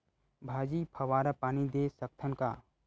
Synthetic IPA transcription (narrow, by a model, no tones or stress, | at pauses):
bʱaːd͡ʒipʰɐʋaːɾapaːnid̪esɐk̚t̪ʰənka̰ː